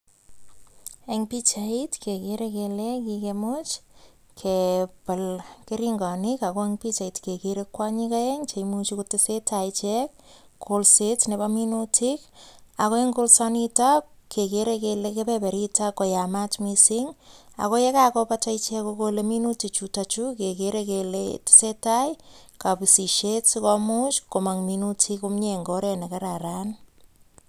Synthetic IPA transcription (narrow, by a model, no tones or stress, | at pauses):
eŋpit͡ʃaitkekeɾekelekikemot͡ʃ | kʰepəlkeɾiŋɡɔnikakoeŋpit͡ʃaitkekeɾekwaɲikaɛŋt͡ʃejmut͡ʃikotɪsetait͡ʃɛk | kʰolsetnebaminutʰikakoeŋɡolsɔnitakʰekeɾekelekepepeɾitakːɔjamatmisiŋa̰kojɛkakopatajt͡ʃɛkokoleminutit͡ʃutat͡ʃukekeɾekeletɪ̥setajkapisiʃetsikɔmut͡ʃkomaŋminutʰikumɲeŋɡoɾenekaɾaɾan